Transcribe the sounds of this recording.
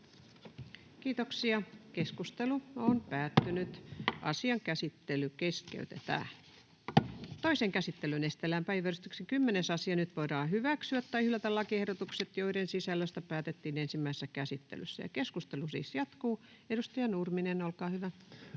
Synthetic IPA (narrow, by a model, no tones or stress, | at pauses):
kiːt̪oksiɑkeskust̪eluonpæːt̪ːynyt̪ʔɑ̰siɑŋkæsit̪ːelykeskḛyt̪ḛt̪æ̰ː | t̪oiseŋkæsit̪ːelynest̪elːæmpæiʋærst̪yksikymːenesɑsiɑnyt̪ʋoidɑːhyʋæksyæt̪ːɑhylæt̪ælːɑkiehdot̪ukset̪joiɾensisælːøst̪æpæːt̪et̪ːiːnensimːæisesːækæsit̪ːḛly̰sːæ̰jɑ̰keskust̪elusḭːsjɑt̪kuː | edust̪ɑjɑnurminenolkɑːhyʋæ